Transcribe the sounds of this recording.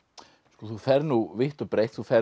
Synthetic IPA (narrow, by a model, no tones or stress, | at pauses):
skɔθufɛɾnuvɪht̪ɔpɾeːjht̪θufɛ